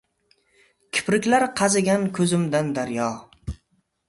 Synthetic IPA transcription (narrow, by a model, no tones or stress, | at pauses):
kʲʰɪ̥pɾɪkʲlaɾqʰɑzɪɡʲankʲʰɵzɪmd̪and̪aɾjɒ